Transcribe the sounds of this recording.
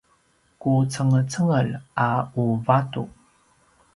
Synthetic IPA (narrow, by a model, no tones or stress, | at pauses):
kut͡səŋət͡səŋəlʔauvatṵ